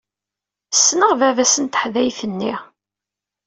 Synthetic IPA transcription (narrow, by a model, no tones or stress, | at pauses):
sːnəʁvævæsənt̪ə̥ħðæjfənːiʁ